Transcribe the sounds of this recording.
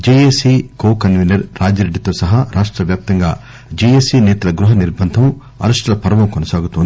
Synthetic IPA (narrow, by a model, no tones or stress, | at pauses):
d͡ʒieːsikoːkɐnʋinɐɾːaːd͡ʒɐɾeɖːit̪o̞ːsɐɦaːɾʔaːʂʈɾɐʋjaːp̚t̪ɐŋɡa̰ː | d͡ʒiesiːnɛːt̪ɐlɐɡɾuɦɐniɾbʱɐnd̪ʱɐm | ɐ̰ɾɐʂʈɾɐlɐpɐɾɐʋɐmkɔnɐsaːɡut̪uond̪i